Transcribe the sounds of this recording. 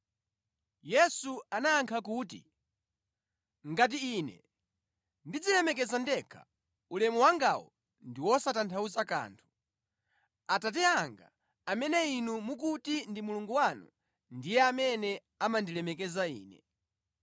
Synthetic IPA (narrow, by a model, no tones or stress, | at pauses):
jɛsuanaːŋkʰakuːtḭ | ŋɡat̬iiːnɛ̰ | ndid͡zilɛmɛk̬ɛzandɛkʰḁ̰ | ulɛmuwaŋɡawɔ̰ | ndiwɔsatantʰauzaka̰ːntʰu̥ | atat̬ɛaŋɡa̰ | amɛnɛinumuk̬utindimuluŋɡuwanṵ | ndijɛamɛnɛ | amandilɛmɛk̬ɛzaḭːnɛ̰